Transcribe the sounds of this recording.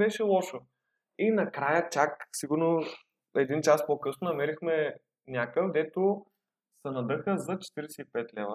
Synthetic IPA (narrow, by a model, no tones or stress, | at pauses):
bɛʃɛlˠɔʃo | inɐkɾajət͡ʃaksiɡʊɾno | ɛd̪int͡ʃaspokɤsnʊnɐmɛɾixmɛ | nʲakəfd̪ɛt̪ʊ | sɐnɐd̪ɤxəzɐt͡ʃɛ̥t̪iɾɛsɛipɛt̪lɛvə